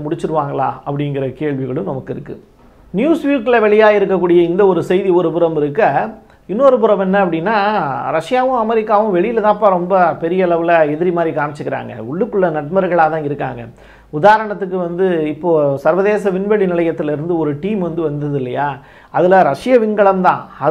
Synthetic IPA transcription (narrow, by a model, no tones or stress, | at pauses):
mʊɽɪt͡ʃːɯɾɯʋaːŋɡɐɭã̰ːɐpːɐɽɪŋɡɪɾɐkeːɭʋɪɣɐɭɯ̃mnɐmɐkːɪɾɯkːɯ̰ | njuːsʋiːkɪlɐʋɛɭɪjaːɪɾɯkːɐkːuːɽɪjɐɪnd̪ɐɔɾɯsɛɪðiɔɾɯpɯɾɐmɪɾɯkːɐ | ɪnːoːɾɯpɯɾɐmɛnːɐɐp̬ːɐɽɪnːaːɾɐʂɪjaːʋɯ̃ɐmɛɾɪkːaːʋɯ̃ʋɛɭɪjɪlɐt̪ãːɐpːaːɾɔmbɐpɛɾɪjɐɛɭɐʋɪlɐɛðɪɾimaːd̪ɾikaːmɪt͡ʃːɯkːɪɾa̰ːŋɡɐ̰ʊɭːɯkːɯɭːɐnɐʈ̚mɐɾɯɣɐɭaːt̪ãːɪɾɯkːa̰ːŋɡɐ̰ | ʊðaːɐɾɐɳɐt̪ːɯk̬ːɯʋɐnd̪ɯɪpːoːsɐɾʋɐðeːsɐʋɪnʋɛɽinɪɭɐjɐt̪ːɪlɪɾɯnd̪ɯɔɾɯʈiːmʋɐnd̪ɯʋɐnd̪ɐðɪlːɐjaː | ɐðɪlɐɾɐʂɪjɐʋɪŋɡɐɭɐmt̪ã̰ːɐ